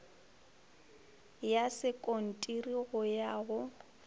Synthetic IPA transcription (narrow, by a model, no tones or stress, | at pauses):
jasɪkʼon̩tʼiriɣʊjaːɣʊ